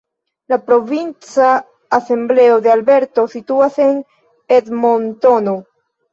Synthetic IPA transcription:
lapɾo̞vint͡saː | se̞mble̞o̞d̪e̞albe̞ɾto̞situase̞n | edmo̞ntono

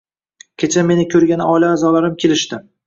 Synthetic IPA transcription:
kʲʰet͡ʃʰame̞nɪkʲʰɵɾɡʲanɒlaːzɒlaɾɪmkʲʰe̞lɪʃt̪ɪ

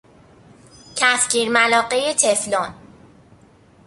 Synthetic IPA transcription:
cʰæfcʰiːɾmælɒːɢejet̪ʰeflɔn

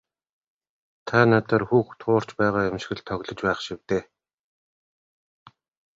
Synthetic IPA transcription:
t̪ʰanat̪ərxuːxt̪ʰʊːr̥t͡ɕpæːʁaːjʊmʃɪ̥̆xɘ̆ɮt̪ʰɔɣɮɞ̆t͡ɕpæːχʃiwt̪eː

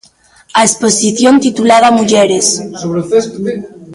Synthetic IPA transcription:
aesposiθjont̪it̪ulaðamuʝeɾessɾs

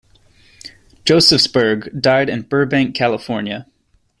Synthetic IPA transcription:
d̥ʒ̥oʊsɨfsb̥ə˞ɡdaɪɾɨ̃nbɜ˞bæ̃ŋkʰælˠəfɔɹnjɨ

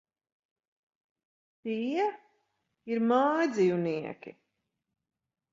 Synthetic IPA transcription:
t̪iɛ | iɾmaːjd̪zijuniɛkʲḭ

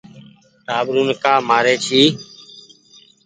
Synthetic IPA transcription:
t̪aːbɾuːnkaːmaːɾeːt͡ʃʰiː

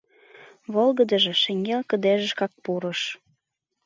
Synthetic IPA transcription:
βolɣəd̪əʒĕʃeŋɡelkəd̪eʒə̆ʃkɑk̚puɾəʃ

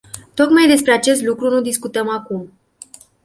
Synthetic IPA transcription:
t̪o̞kmajd̪e̞spɾe̞at͡ʃe̞st̪lukɾunud̪iskut̪əmakum

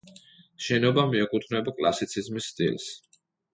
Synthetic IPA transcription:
ʃɛnɔbamiɛkʼut̪ʰvnɛbakʼla̰sit̪sʰizmisːt̪ʼḭls

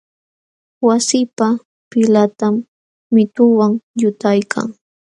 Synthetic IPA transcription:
wasɪpa | pɪlat̪amː | ɪt̪ʊwaŋjʊt̪ajkʰa̰ŋ

